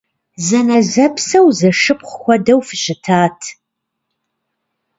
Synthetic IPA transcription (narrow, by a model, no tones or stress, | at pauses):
zɐnɐzɐpsɐwzɐʂɨp̚χʷxʷɔdɐwfɨɕɪtʰaːtʰ